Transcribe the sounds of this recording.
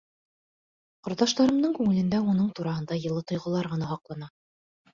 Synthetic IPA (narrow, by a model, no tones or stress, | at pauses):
qŏɾt̪ɑʃt̪ɑɾɤ̆md̪ɤɴkʉŋɘ̆lɘ̆nd̪æunɤɴt̪uɾɑhɤ̆nd̪ɑjɤ̆lˠɤt̪ŏjʁŏlˠɑɾʁɤ̆nɑhɑqlˠɑnɑ